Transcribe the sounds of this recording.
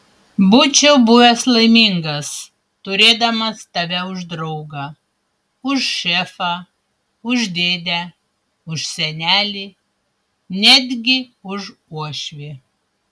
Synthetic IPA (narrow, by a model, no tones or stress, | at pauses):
bʊt͡ʃʲɛʊbʊʋʲɛslˠɐɪmʲiŋɡɐs | t̪ʊɾʲeːd̪ɐmɐst̪ɐʋʲɛʊʒd̪ɾɐʊɡɑ | ʊʃʃʲɛfɑː | ʊʒd̪ʲeːd̪ʲæ | ʊʃsʲɛnʲæːlʲiː | nʲæd̪ʲɡʲɪʊʃuɔʃʲʋʲeː